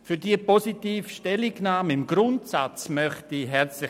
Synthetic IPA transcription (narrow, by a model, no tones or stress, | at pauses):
fyɾdiəpɔsitiːfʃtɛliɡnaːmɪmɡɾʊntsat͡smœχtiɦɛrt͡slɪ